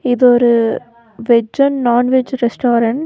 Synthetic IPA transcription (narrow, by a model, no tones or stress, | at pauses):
ɪðɔɾɯ | ʋɛd͡ʒɐnnaːnʋed͡ʒɾɛsʈoːɾɐɳʈ